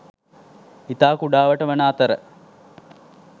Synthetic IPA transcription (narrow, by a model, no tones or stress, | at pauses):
it̪aːkuɖaːʋəʈəʋənaːt̪əɾə̰